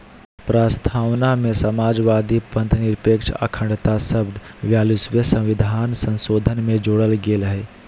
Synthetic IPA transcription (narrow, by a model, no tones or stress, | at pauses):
pɾaːst̪ʰaːwnamẽsəmaːd͡ʒʋaːd̪ipə̃nt̪nɪɾpeːkʃa̰kʰə̃ɳɖt̪asəbd̪ | ʋjaːlusʋəsə̃ʋɪd̪ʱaːnsə̃nsoːd̪ʱənmẽd͡ʒoːɽəlɡeːlɦe